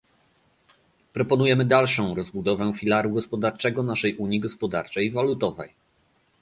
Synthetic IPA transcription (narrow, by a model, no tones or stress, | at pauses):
pɾɔpɔnujɛmɘd̪alʂɔ̃w̃ɾɔzbud̪ɔvɛ̃fʲilaɾuɡɔspɔd̪aɾt͡ʂɛɡɔnaʂɛjʔuɲjiɡɔspɔd̪a̰ɾt͡ʂɛjvalut̪ɔvɛ̰j